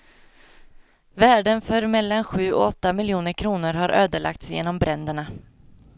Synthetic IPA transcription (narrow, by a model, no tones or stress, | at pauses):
væːɖənfœɾmɛlːanɧʉ̟ːɔ̰ɔt̪ːamɪljuːnəɾkʰɾuːnəɾɦaɾʔøːd̪əɭa̰k̚t̪sjḛːnɔmbɾɛnd̪əɳa